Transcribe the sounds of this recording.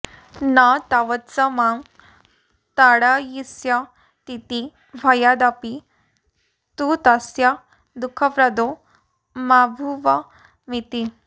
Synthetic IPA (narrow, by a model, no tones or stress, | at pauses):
nat̪aʋət̪t͡sɐmaŋ | t̪aɽajisja | t̪it̪i | ʋʱɐjad̪api | t̪ut̪asja | d̪ukʰəpɾɐd̪o | mabʱuʋɐ | mit̪i